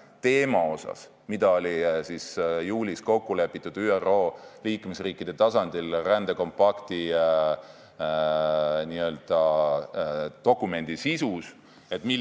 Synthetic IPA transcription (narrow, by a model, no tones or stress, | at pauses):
t̪e̞ːmɑo̞sɑ̰s | mid̪̥ɑo̞lʲisisjuːlʲisko̞kːule̞pːˑit̪ːˑud̪̥yːero̞ːliːkme̞sriːkːid̪̥e̞t̪ɑsɑnd̪̥ilrænd̪̥eko̞mpɑkt̪i | niø̞ːld̪̥ɑ | t̪o̞kːˑume̞nd̪̥isisus | e̞t̪ˑmi